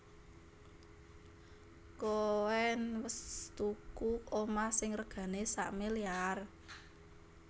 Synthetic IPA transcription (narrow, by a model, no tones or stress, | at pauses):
kowɛnwəst̪ukukomasɪŋrəɡ̥ä̤nesa̰ʔmiliar